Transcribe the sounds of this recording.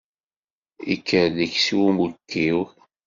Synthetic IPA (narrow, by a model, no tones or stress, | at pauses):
ḭkʰːəɾləçsiwumukːiw